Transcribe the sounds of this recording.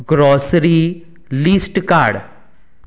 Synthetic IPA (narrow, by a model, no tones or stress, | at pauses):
ɡɾoːsɾiː | liːsʈkaːɾɖ